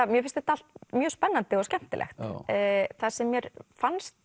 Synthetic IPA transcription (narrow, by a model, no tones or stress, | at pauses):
amjɛfɪnst̪ɛht̪aal̥t̪̚mjœːspɛnːant̪ɪɔɣscɛm̥t̪ɪlʔɛ̰xt̪ː | θasɛmːjɛɾfanst̪